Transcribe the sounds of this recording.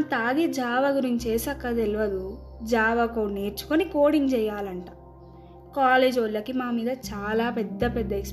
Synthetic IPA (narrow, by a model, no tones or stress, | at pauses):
t̪aːɡid͡ʒaːʋɐɡuɾiɲt͡ʃeːsɐkːɐt̪eliʋɐd̪u | d͡ʒaːʋɐkoːneːɾt͡ʃu̥konikoːɽiŋɡt͡ʃɛjːaːlɐɳʈaː | kaːleːd͡ʒʋɐlːɐkimaːmiːd̪ɐt͡ʃaːlaːpɛd̪ːɐpɛd̪ːɐeks